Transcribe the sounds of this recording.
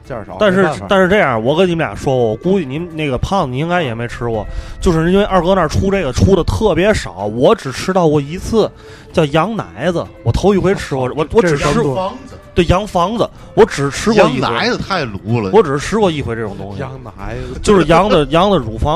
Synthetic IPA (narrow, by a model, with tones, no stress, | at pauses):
a˥˧nʂ̬ɻ̩˥˧t̪a˥˧nʂɻ̩˥˧ʈ͡ʂe˥˩ja̰˞˨˩wɔ˨˩kə˥ni˧˥m˥ljɑ̰˨˩ʂwɔ˥˨ɔ˨˩ku˥y˥˩ni˧˥ne˥˩ɡə˩pʰɑ˥˩ŋi˨˧i˥ŋka˥ɪjɛ˨˩me˧˥ɪʈ͡ʂʰɻ̩˥wɔ̰˨˩˦t͡ɕjo˥˧ʊʂɻ̩˥˧i˥nwe˧ɪʔɑ˞˥˩kɤ˥na˞˧˩ʈ͡ʂʰu˥ʈ͡ʂe˥˩ɪɡə˩ʈ͡ʂʰu˥ɾə˨t̪ʰɤ˥˩pjɛ˧˥ʂɑ˨˩˦ʊwɔ˧˥ʈ͡ʂɻ̩˨˩ʈ͡ʂʰɻ̩˥t̪ɑ˥˩ʊwɔ˨˩i˧˥t͡sʰɹ̩˥˩ | t͡ɕjɑ˥˩ʊjɑ˧˥ŋna̰˧˥ɪd͡zə̰˧wɔ˨˩t̪ʰo˧˥ʊi˧˥xwe˧˥˩ɪʈ͡ʂʰɻ̩˥wɔ˧˩wɔ˧˥wɔ˧˥ʈ͡ʂɻ̩˧˨˩ŋ˧t̪we˥˩ɪjɑ˧˥ŋfɑ˥ŋd͡zə˧ | wɔ˧˥ʈ͡ʂɻ̩˨˩ʈ͡ʂʰɻ̩˥wɔ˧˥˦a˧˥ɪd͡zə˧t̪ʰa˥˩ɪlu˧˥lə˧wɔ˧˥ʈ͡ʂɻ̩˨˩ʂ̩˥˧˥ʈ͡ʂʰɻ̩˥wɔ˨˧˦i˥˩xwe˧˥ʈ͡ʂɤ˥˩ʈ͡ʂʊ˨˩ŋt̪ʊ̰˥ŋɕḭ˨˧t͡ɕjo˥˧ʊʂ̩˧˥˩jɑ˧˥ŋd̪ə˧jɑ˧˥ŋd̪ə˨ɻu˨˩fɑ˥